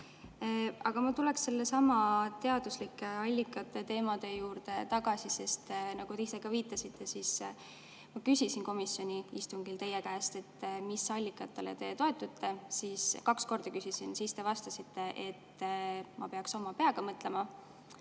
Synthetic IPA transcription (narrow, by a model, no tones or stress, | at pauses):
ɑɡ̥ɑmɑt̪ule̞ksːe̞lːesɑmɑt̪e̞ɑd̪̥uslikːˑeɑlʲːikːˑɑt̪ːˑe̞t̪e̞ːmɑd̪e̞juːɾd̪̥e̞t̪ɑɡ̥ɑsise̞st̪nɑɡ̥ut̪eiseɡ̥ɑviːt̪ːˑɑsit̪ʰˑːe̞sis | mɑkysʲisinko̞misjo̞nʲiist̪uŋɡ̥ilt̪e̞jekæːst̪e̞t̪ːmisɑlʲːikːˑɑt̪ːˑel̰t̪e̞ːt̪o̞e̞t̪ːˑut̪ʰːe̞siskɑksko̞rd̪̥ɑkysisinsist̪e̞vɑst̪ɑsit̪ːe̞ʔe̞t̪ːmɑpe̞ɑkso̞mɑpe̞ɑɡ̥ɑmɤt̪ˑle̞mɑ